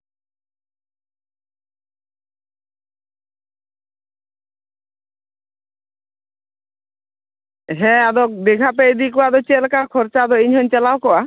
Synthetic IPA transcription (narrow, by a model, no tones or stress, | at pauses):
ɦɛ̃ad̪ɔd̪ekʰap̬ɛjd̪ikɔad̪ɔt͡ʃelkakʰɔɾt͡ʃad̪ɔiɲɦɔɲt͡ʃɛlawkɔa